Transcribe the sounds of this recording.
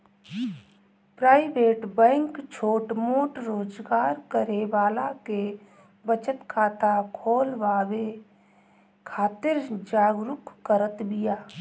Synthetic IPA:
pɾaːɪʋeːʈbɛ̃ːŋkt͡ʃʰoːʈmoːʈɾoːd͡ʒɡaːɾkəɾeʋaːlake | bət͡ʃət̪kʰaːt̪akʰoːlʋaːwe | kʰaːt̪ɪɾd͡ʒaːɡɾʊkːəɾət̪bɪjaː

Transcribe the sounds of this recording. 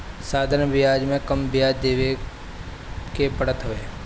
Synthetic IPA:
saːd̪ʱəɾnbɪjaːd͡ʒmẽkəmbjaːd͡ʒd̪eːʋe | kepəɽət̪ɦʊʋeː

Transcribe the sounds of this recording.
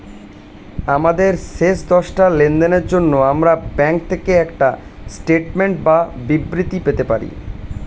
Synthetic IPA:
amad̪eɾʃeʃd̪ɔʃʈalend̪eneɾd͡ʑonːoamɾabɛŋk̚t̪ʰekeɛkʈasʈeʈmeɳʈ̚babibɾit̪ipet̪epa̰ɾḭ

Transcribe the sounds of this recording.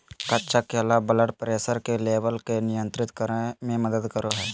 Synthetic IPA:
kɐtːʃakeːlabɐləʈpəɾeːsəɾkeleːʋəlkenɪjə̃nt̪ɾɪt̪kəɾemẽmɐd̪əd̪kəɾoɦɛː

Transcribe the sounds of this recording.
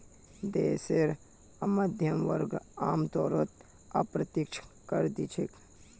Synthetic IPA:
d̪eːseɾ | ɐmɐd̪ʱjəmʋə̰ɾɡaːmt̪ɔːɾot̪ | ɐ̰pɾɐt̪ikt͡ʃʰkɐɾd̪it͡ʃʰik

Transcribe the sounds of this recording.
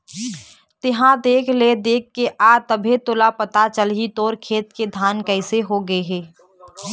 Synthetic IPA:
t̪ɪɦãd̪eːkʰled̪eːkʰːeʔaːt̪ɐbʱet̪oːlapɐt̪at͡ʃəlɦit̪oːɾkʰeːt̪ked̪ʱaːnkɛɪseɦoɡɐeɦɛː

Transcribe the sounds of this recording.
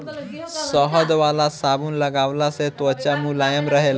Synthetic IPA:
sɔɦɔd̪ʋalasabuːnləɡaʋlaset̪ʋət͡ɕamuːlajəmɾəɦel

